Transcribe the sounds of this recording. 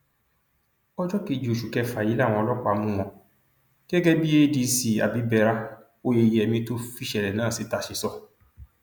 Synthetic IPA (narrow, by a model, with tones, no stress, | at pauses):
ɔ˦d͡ʒɔ˦ke˧˨d͡ʒo˨ʃu˨kɛ˧fa˨ji˨˦la˦˨w̃ɔ̃˧ɔ˧lɔ˦k͡pa˨˧mũ˦w̃ɔ̃˧ | ɡɛ˦ɡɛ˦bi˦e˦di˧si˨a̰˨bi˨˦bɛ˧ɾa˦ | o˦je˧˨je˧ɛ˧mĩ˧to˦fi˦ʃɛ˨lɛ˨nãː˦˨si˨˧˦ta˧ʃe˨˧sɔ˦˨